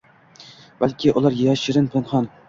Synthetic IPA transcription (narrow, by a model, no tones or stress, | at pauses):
b̥alkʲʰɪʔʊlˠɑɾjæʃɪɾɪnpʰanχɑn